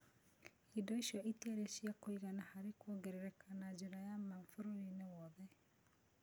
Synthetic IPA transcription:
idɔiʃiɔʔitieɾeʃiakoiɣanahaɾekwoɡeɾeɾɛkanad͡ʒeɾajamaɱfoɾoɾinewɔːðɛ

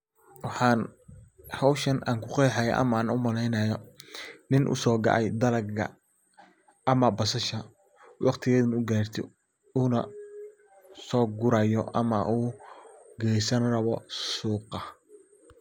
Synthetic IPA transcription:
wɑħɑːn | hɑwʃɐna̰ːŋkʰʊqɛjħajɐ̰ʔɐ̰maːnʊmɐlɛjnɐːjɔnɪnʔʊ̰sɔːɡɑ̰ʔɛjd̪ɐlɐɡɡɐ̰ | ʔɐmɐbɐsɐʃɐ | wʔɑqt̪ʰɪɣɛðɐnʊɡaːrt̪ʰɪ̰ | uːnɐ | sɔːɡʊɾajɔ̰ʔɐ̰mɐ̰ʔuː | ɡɛjsɐnrɐβɔsuːqɑ

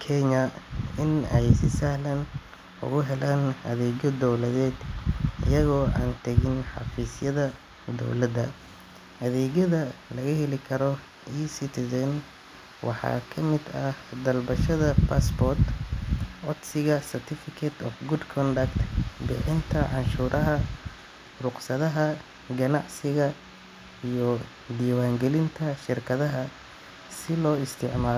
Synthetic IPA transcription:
kʰɛɲɐɪnɛjsɪsɐhlɐn | ʊ̰ɣʊɦɛlaːnɐ̰ðɛːɣɔd̪ɔwlɐðɛːd̪ɪ̰jɐɣɔːa̰ːnt̪ʰɐɣɪnħɑ̰fiːsjɐðɐ | d̪ɔ̰wlɐd̪ɐ | ʔɐðɛːɣɐðɐlɐɣɐɦɛlɪkʰɐɾɔ | isɪt̪ʰɪðɐn | wʔɑ̰ħɑ̰ːkʰɐmɪd̪ɐd̪ɐlbɐʃɐðɐpʰaːsbɔrt̪ | ʔɔd̪sɪɣɐsɐrt̪ʰɪfɪkʰɛt̪ʰɔfɡʊd̪kʰɔnd̪ɐkt̪bɪħɪnt̪ʰɐʕɑnʃuːɾʔɐɦɐ | rʊqsɐðɐɦɐ | ɡɐnɑʕsɪɣɐ | ijɔ | d̪iːwaːŋɡɛlɪnt̪ʰɐʃɪrkʰɐðɐɦɐ | sɪlɔːɪst̪ʰɪʕmaːl

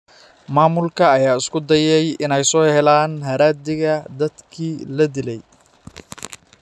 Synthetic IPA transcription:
maːmʊlkʰɐːjaːɪskʰʊd̪ɐjɛjʔɪnɛjsɔːhɛlaːnɦɐɾaːd̪ɪɣɐd̪ɐd̪kʰiːlɐd̪ɪlɛj

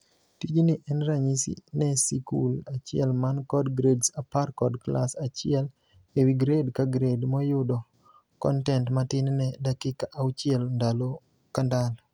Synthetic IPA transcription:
tid͡ʒinɪʔɛnɾaɲisḭnɛsikulat͡ʃɪɛlmankɔdɡɾedsaparkɔdklasat͡ʃɪɛl | ewiɡɾedkaɡɾedmɔjʊdɔ | kɔ̰ntɛntmatɪnnɛdakɪkaʔawt͡ʃɪɛlndalo | kandal

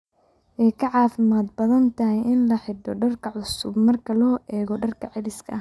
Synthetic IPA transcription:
ʔɛjkʰɐʕɑːfɪmaːd̪̚bɐðɐnt̪ʰɐɦɛjʔɪnlɐħɪɖɔɖɐrkʰɐʕʊsʊbmɐrkʰɐlɔːʔɛːɣɔɖɐrkʰɐʕɪlɪskʰɐ

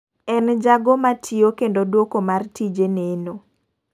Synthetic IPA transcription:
ɛnd͡ʒaɡomatʰiokendodwokomartid͡ʒeneno

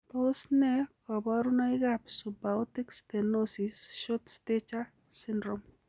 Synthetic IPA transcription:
t̪osnɛkɔbɔɾunɔɪɡapsubawtikst̪enosisʃot̪stet͡ʃa | sɪndɾom

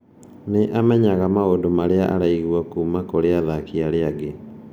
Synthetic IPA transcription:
neʔamɛɲaɣamaodomaɾeaʔa̰ɾaiɣwakuːmakoɾeaðakiaɾeaɡe

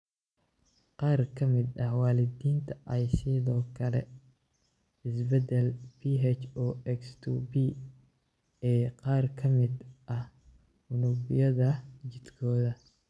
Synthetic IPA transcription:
qɑːrkʰɐmɪd̪ɐhwɑːlɪd̪iːnt̪ʰɐʔɐjsɪðɔːkʰɐlɛ̰ | ɪsbɛd̪ɛlpʰiɦɛt͡ʃɔɛkst̪ʰuːbi | ɛːqɑːrkʰɐmɪd̪ʔɐh | ʊnʊbɪjɐðɐd͡ʒɪd̪kʰɔːðɐ

